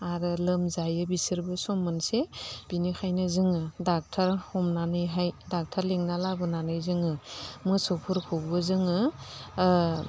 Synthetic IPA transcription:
aɾɯlɯmzajɯbisɯɾbɯsɔmɯnseb̥inikʰajnɯzɯŋɯdak̚tʰaɾhɔmnanɯjɦajdak̚tʰaɾleŋnalabɯnanɯjzɯŋɯmɯsɔpʰuɾkʰubɯzɯŋɯ

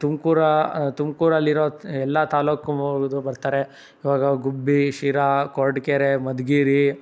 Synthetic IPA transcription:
t̪umkuːɾat̪umkuːɾɐlːiɾoːɛlːɐt̪aːloːkuoɡd̪ubɐɾt̪aːɾe | iʋaːɡɐɡubːiʃiːɾakoːɾɖkeɾemɐd̪ɡiːɾi

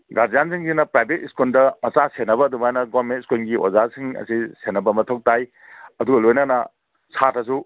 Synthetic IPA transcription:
ɡaɾd͡ʒjansiŋsinɐpɾajbʱetiskondɐmɐt͡ʃasenːɐbɐːdumajnɐɡoɾmentiskonɡiʔo̰zasiŋɐ̰sisenɐbɐmɐtʰowk̚taj | ɐduɡɐlojnɐnɐ | sʰatʰɐs̬u

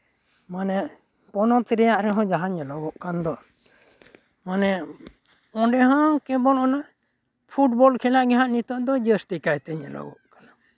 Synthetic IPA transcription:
manɛ | pɔnɔt̪iɾɛjaʔɾɛɦɔ̃d͡ʒaɦaɲɛlɔwɔʔkand̪ɔ | manɛ | ɔ̃ɖɛɦãkɛbɔlɔna | pʰuʈ̚bɔlkʰɛlaʔɡɛɦaʔnit̪ɔʔd̪ɔd͡ʒəst̪ikajt̪ɛɲɛ̰lɔ̰ɡɔ̰ʔkana

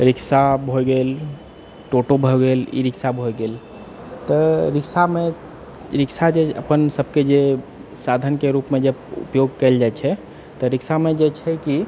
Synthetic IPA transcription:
ɾiksabʱoɡel | ʈoʈobʱɔɡelḭɾiksabʱojɡel | t̪ɔɾiksame | ɾiksad͡ʒeə̰pənsəbked͡ʒesad̪ʱənkeɾupmed͡ʒəbṵpjoɡkɛld͡ʒajt͡ʃʰɛ | t̪ɔɾiksamed͡ʒet͡ʃʰɛki

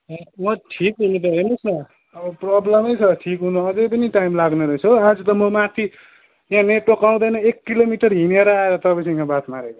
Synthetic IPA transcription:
ʌmʌʈʰikɦunip̪eɾenusnʌ | ʌbʌprʌblʌmʌjt͡sʰʌʈʰikɦunuʌd͡zʌjpʌniʈajmlaɡnʌɾʌɦt͡sʰoad͡zʌt̪ʌmʌmat̪ʰi | jãneʈːokaw̃d̪ʌjnʌekːilomiʈʌrɦineɾʌaeɾʌt̪ʌpasʰʌ̃kʰãbat̪ʰmaɾeko

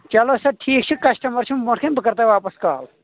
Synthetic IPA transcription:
t͡ʃɐlosɐʈʰiːkt͡ʃʰikɐsʈɐmɐɾt͡ʃʰimmoʈʰkʰenbɨkɐɾt̪aʋaːpɐskaːl

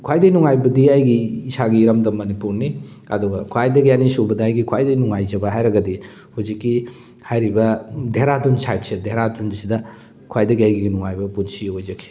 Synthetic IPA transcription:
kʰajdɐjnuŋajbɐdiajɡiːsaɡiːɾɐmdɐmɐnipuɾni | ɐ̰duɡɐkʰajdɐɡianisubɐdɐajɡikʰwajdɐjnuŋajd͡ʒɐbɐɦajɾɐɡɐdi | huzikːi | hajɾibɐdʱeɾadunsajtsedʱeɾadunsidɐ | kʰajdɐɡiajɡiɡinuŋajbɐpunsiojzɐkʰi̥

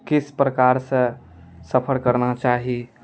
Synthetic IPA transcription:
kispɾəkaɾsə̃ | səpʰəɾkəɾnat͡ʃaɦi

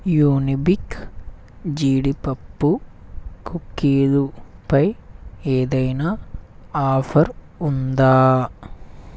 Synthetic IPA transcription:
juːnibik | d͡ʒiːɽipɐpːukʰukːiːlupɐjeːd̪ɐjnaːaːpʰɐɾ | und̪aː

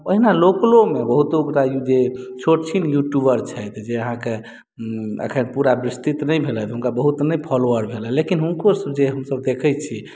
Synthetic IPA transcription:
əɦinaloklomebəɦut̪okɾajud͡ʒet͡ʃʰoʈt͡ʃʰinjuʈjubəɾt͡ʃʰɛjt̪d͡ʒeəɦãke | ə̰kʰənpuɾabɾist̪it̪nəjbʱelɛt̪ɦunkabəɦut̪nəjpʰɔloəɾbʱelɛ̃lekinɦunkosəbd͡ʒeɦəmsəbd̪ekʰɛt͡ʃʰi

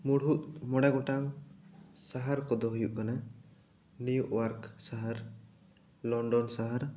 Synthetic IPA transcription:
muɽut̪̚mɔɽaɡɔʈaŋ | saɦaɾkɔd̪ɔɦujuʔkana | nujuʔwaɾksaɦaɾ | lɔɳɖɔnsaɦaɾ

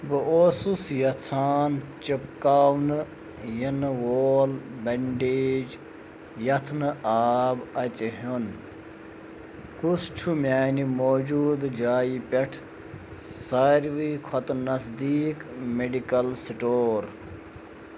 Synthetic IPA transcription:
bɨʔoːsusjɐt͡sʰaːnt͡ʃipkaːwnɨ | jɐnwoːlbɐɳɖeːd͡ʒ | jɐt̪ʰnɨaːbɐt͡sɦun | kust͡ʃʰumʲaːnimoːd͡ʒuːd̪d͡ʒaːjipʲɐʈʰ | saːɾʋiːkʰɔt̪nɐsd̪iːkmeɖikɐlsiʈoːɾ

